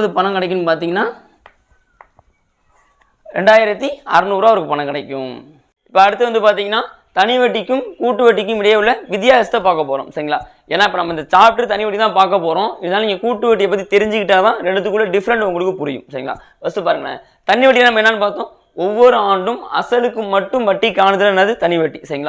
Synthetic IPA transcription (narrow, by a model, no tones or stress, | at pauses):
ðɯpɐnɐŋkɐɽɐɪkːɯnːpaːɾt̪̬iːŋɡɐnːaː | ɾɛ̰ɳɖaːjɪɾɐt̪ːiɐɾɯnuːɾaːɐʋɐɾɯkːɯpɐnɐ̃ŋkɐɽɐɪkːʊ̃m | ɪpːɐɐɽɯt̪ːɯʋɐnd̪ɯpaːɾt̪iːŋɡɐnːaː | t̪ɐnɪʋɐʈːɪkːɯmkuːʈːɯʋɐʈːɪk̬ːɯmʋɪɽɐjɐʋɯɭːɐʋɪðjaːɐsɐt̪ːɐpaːɾkɐpːoːɾõ̰ːsɐɾɪŋɐɭa̰ː | eːnːaːɪp̬ːɐnɐmːɐɪnd̪ɐt͡ʃaːp̚ʈɯɾt̪ɐnɪʋɐʈːit̪ãːpaːɾkɐp̬ːoːɾõːɪðɐnaːlnɪŋɡɐkuːʈːɯʋɐʈ̬ːijɛpːɐt̪̬ːit̪ɛɾɪɲd͡ʒɯkɪʈːaːɐðãːɾɛɳɖɯt̪ːɯkːɯɭːlːɐɖɪfɐɾɐɳɖʊŋɡɐɭɯkːɯpʊɾɪjɯ̰msɐɾɪŋɡɐɭa̰ː | ʋɐst̪ːɯpaːɾɯŋɡɐɽa̰ | t̪ɐnːɪʋɐʈːɪlnːɐmɐɛnːaːnɯpaːɾt̪õː | ɔʋːɔɾɯaːɳɖɯmɐ̰sɐlɯkːɯmːɐʈːɯmʋɐʈːikːaːnɐt̪ːɯlɐnːɐðɯt̪ɐnɪʋɐʈːisɐɾɪŋɐɭaː